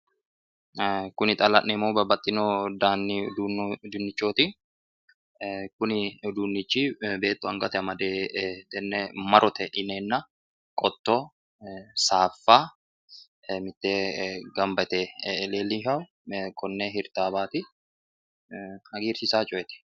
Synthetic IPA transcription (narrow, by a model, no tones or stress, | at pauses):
kʊnɪt̪ʼɐlɐnːɛmoːbɐbɐt̪ʼːɪnoːd̪aːnːid̪und̪ʊnːɪt͡ʃːoːt̪i | kʊnɪd̪uːnːɪt͡ʃːiːbe̞ːt̪ːʊɐŋɡɐt̪ɛɐmɐd̪eːd̪̥ɛnːɛmɐɾʔɔt̪ɛʔɪneːnːɐ | kʼɔt̪ːoː | saːfːaː | mɪt̪ːeːɡɐmbɐt̪ɛleːlːɪɦɐʊ | kʰɔnːeɦɪɾt̪aːbaːt̪ɪ | hɐɡiːɾsɪsaːt͡ʃʼɔɛt̪ɛ̥